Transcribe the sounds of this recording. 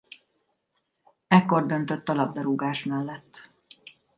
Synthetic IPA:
ɛkːo̞rd̪ønt̪øt̪ːɒlɒb̚d̪ɒɾuɡaːʃmɛlːɛt̪ː

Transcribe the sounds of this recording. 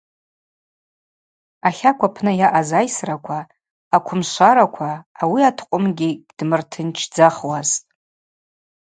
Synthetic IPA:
aχʲakʷʰapʰnɨjaʔazajsrakʷʰaː | kʷʰʊmʃʷaɾakʷʰaːwiatʰqʷʼʊmɡʲɪɡʲd̥mɨrtʰɨnt͡ʃʰd͡zaχwaztʼ

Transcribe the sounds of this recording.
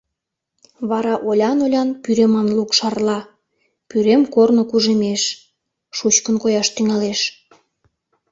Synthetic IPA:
βɑɾɑʔolʲɑnolʲɑnpyɾemɑnlukʃɑrlɑ | pyɾemkornŏkuʒemeʃ | ʃut͡ɕkənkojɑʃt̪yŋɑleʃ

